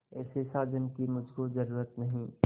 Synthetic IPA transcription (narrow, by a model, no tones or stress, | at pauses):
ɛːsesaːd͡ʒənkimʊd͡ʒʱkozɐɾuːɾət̪nɐɦĩː